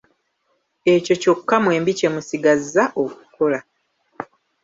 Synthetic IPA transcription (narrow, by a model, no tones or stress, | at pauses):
e̞co̞co̞kːamwe̞ːmbice̞musiɡazːaʔo̞ku̥ko̞la